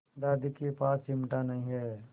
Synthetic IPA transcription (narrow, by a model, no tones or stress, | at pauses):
d̪aːd̪ikepaːsɪmʈanɐɦĩɦɛː